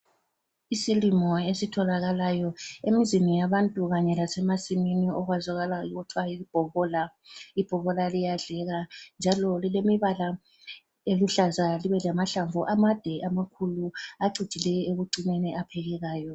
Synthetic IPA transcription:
isilimɔesitʰɔlaɣalajɔemizinijaβantʼuɣaɲɛlasɛmasiminiɔɣwazaɣalaiɣɔtʰwaib̥ʱɔβɔːla | ib̥ʱɔβɔlalijaɮɛɣand͡ʒʱalɔlilemiβala | eluɬazaliβɛlamaɬaɱvuʔamad̥ʱɛʔamakʰuluaǀid̥ʒ̥ʱilɛeɣuǀineniʔapʰɛɣɛɣaːjɔ

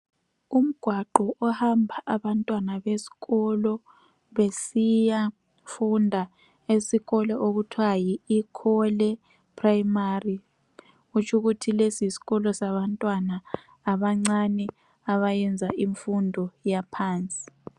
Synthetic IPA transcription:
um̩ɡ̥ʱwaǃɔʔɔhambʱaʔaβantʼwanaβesi̥ɣɔlɔ | βesija | fundʱa | esiɣɔlɛʔoɣutʰwajiːkʰɔlɛ | pʰʼraimari | ɣut͡ʃʰuɣutʰilesisi̥ɣɔlɔsaβantʼwanaː | βaŋ͡ǀanɛ | aβajɛnd͡zʱaʔiɱfundʱɔjapʰaːnt͡sʼi̥

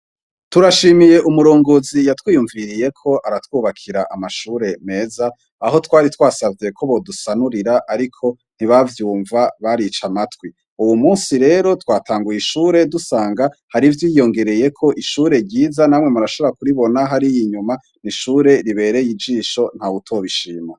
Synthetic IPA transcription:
tuɾaʃimije̞ʔumuɾo̞ːŋɡo̞zijatwiːjuɱviɾije̞kʰo̞ʔaɾatwuːβakʰiɾaʔamaʃuːɾe̞me̞ːzaː | ɦo̞twaːɾitwaːsavje̞kʰo̞βo̞dusanuɾiɾaʔaɾikʰo̞ | n̥hiβavjuːɱvaβaɾit͡ʃamatwi | uwumuːnsiɾe̞ːɾo̞twaːtʰaːŋɡujiʃuːɾe̞dusaːŋɡahaɾivjiːjo̞ŋɡe̞ɾe̞je̞kʰo̞ʔiʃuːɾe̞ɾɟiːzanaːmŋe̞muɾaʃoβoɾakuɾiβo̞naɦaɾijiɲuma | niʃuːɾe̞ɾiβe̞ːɾe̞jid͡ʒiːʃo̞n̥hautʰo̞βiʃiːma

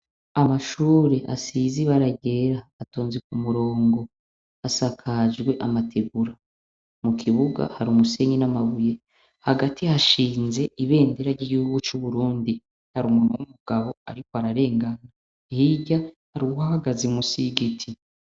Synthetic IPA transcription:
amaʃuːɾeʔa̰siziβaɾaɟe̞ɾaːtoːnzik̚umuɾo̞ːŋɡo̞ | asakʰaʒɡwe̞ʔamatʰe̞ɡuɾa | mukʰiβuɡa̰haɾumuse̞ːɲinamaβuje̞ | haɡatʰihaʃiːnze̞ʔiβe̞ːndeɾaɾɟiɟihuɡut͡ʃuβuɾuːndi | haɾumuːnowumuɡ̥aβo̞a̰ɾikoaɾaɾe̞ːŋɡana | hiɟa | haɾiuhahaɡazimusiɡitʰi

